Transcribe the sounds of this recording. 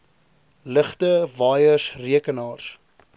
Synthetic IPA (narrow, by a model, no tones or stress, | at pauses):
ləχtəvɑːjəsriəkənɑːrs